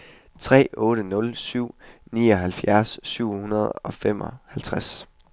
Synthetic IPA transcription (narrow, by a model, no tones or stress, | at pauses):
t͡sʰʁɛ̰ːɔ̽ːɾənɔ̽lsyʊ̰nḭːɒ̽ɦælfjæɐsːyʊ̰hunɐð̞ˠɒ̽fem̰ɒ̽hælt͡sʰʁas